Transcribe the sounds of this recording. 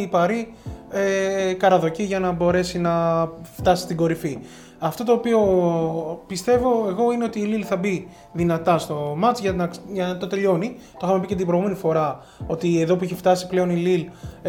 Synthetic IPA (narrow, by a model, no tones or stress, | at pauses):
ipɐɾiekɐɾɐðo̞ciʝɐnɐbo̞ɾe̞sinɐft̪ɐsi̥st̪iɡo̞ɾifi | ɐft̪o̞t̪oːpio̞ | pist̪e̞vo̞e̞ɣo̞ine̞o̞t̪iːlilθɐbi | ðinɐt̪ɐst̪o̞mɐt͡sʝɐnɐʝɐt̪o̞t̪e̞ʎo̞ni | t̪o̞xɐmepicet̪ibɾoɣume̞nifo̞ɾɐ | o̞t̪ie̞ðo̞puiçeft̪ɐsiple̞o̞nilil